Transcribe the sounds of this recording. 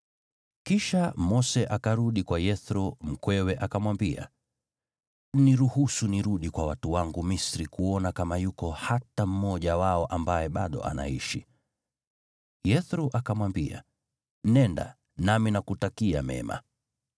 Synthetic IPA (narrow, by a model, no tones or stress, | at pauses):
kiʃamɔsɛʔakaɾuɗikwajɛθɾum̩kwɛwɛʔakamwambia̰ | niɾuhusuniɾuɗikwawatuwaŋɡumisɾikuɔnakamajukɔhatam̩mɔʄawaɔʔambajɛɓaɗɔ̰ʔa̰na̰ḭʃi | jɛθɾuʔakamwambia̰ | nɛnda̰ | naminakutakia̰mɛ̰ma̰